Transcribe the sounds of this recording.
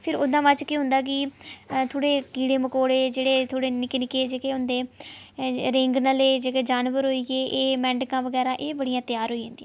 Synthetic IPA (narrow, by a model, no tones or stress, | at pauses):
pʰɪɾoːd̪ãːʋaːt͡ʃkiːɦʊ̃nd̪aːk̬ɪt̪ʰoːɽeːkiːɽeːməkoːɽeːd͡ʒeːɽeːt̪ʰoːɽeːnɪknɪkeːd͡ʒeːkeːʊnd̪eː | ɾɪ̃ŋɡnəleːd͡ʒeːkeːd͡ʒaːnʋəɾɦoːiːɡeːʔːmɛ̃ːɳɖkãːʋəɡɛːɾãːʔeːbəɽijãːt̪ɪjaːɾɦoːid͡ʒãːnd̪ĩː